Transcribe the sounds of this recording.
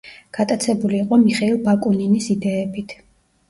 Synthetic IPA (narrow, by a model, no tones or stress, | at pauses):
ɡ̥at̪ʼat̪sʰɛbuliːqʼɔmiχɛilˠbakʼuninisid̪ɛːbit̪ʰ